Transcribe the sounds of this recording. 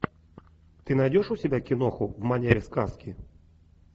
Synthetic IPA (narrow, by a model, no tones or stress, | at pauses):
t̪ɨnajdʲɔʂusʲɛbʲakʲinɔxuvmanʲɛɾʲiskaskʲi